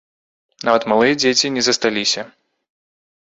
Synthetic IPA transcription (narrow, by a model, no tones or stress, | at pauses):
navɐt̪malˠɨjɐd͡zʲet͡sʲinʲɛzɐst̪alʲisʲɐ